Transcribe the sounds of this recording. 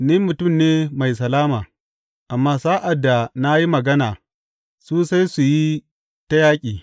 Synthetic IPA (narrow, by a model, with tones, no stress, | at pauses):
ni˦mʊ˨tʊ˦˨mneː˦ma˨js̬ɐ˨laː˦maː˨ | ʔa˨mːaː˦saː˦ʔa˨dːa˨na˦ji˦mɐ˨ɡɐ˦naː˨ | suː˦sa˦jsu˨ji˦ | ta˦jaː˦kʲʼiː˨